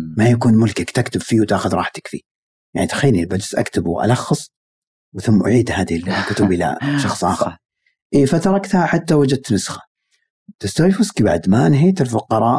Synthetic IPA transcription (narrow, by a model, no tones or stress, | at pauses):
majakuːnmʊlkakt̪akt̪ʊbfiːwt̪aːxʊðɾˤɑ̰ːħt̪ɪ̥kfi | ja̰ʕnit̪ḁxaːnilbad͡ʒsʔa̰kt̪ɪbwʔa̰lɑxːɨsˤ | wθʊmːʔʊ̰ʕiːd̪haːd̪illkʊt̪ʊbɪla̰ʃɑxsˤʔɑ̰ːxɑɾˤ | ʔiːfat̪ɑɾˤɑkt̪haħat̪ːawad͡ʒad̪̚t̪nʊsxḁ | t̪ɪst̪awfʊskibaʕd̪manɦeːt̪ɪlfʊqɑɾˤɑːʔ